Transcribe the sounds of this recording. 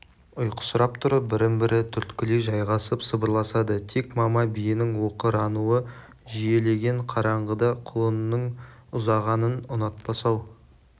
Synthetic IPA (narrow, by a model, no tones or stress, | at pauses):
ʊjqə̥sʊɾɑpt̪ʰʊɾəbɪɾɪmbɪɾʔɪt̪ʰʏɾt̪kʲɪleʒɑjʁɑsəpsəbəɾlˠɑsɑd̪ət̪ʰekmɑmɑbijɪnɪŋwo̞qəɾɑnuə | ʒije̞le̞ɡʲe̞ɴqʰɑɾɑɴʁəd̪ɑqʰʊlˠənəɴʊzɑʁɑnənʊnɑt̪̚bɑsɑw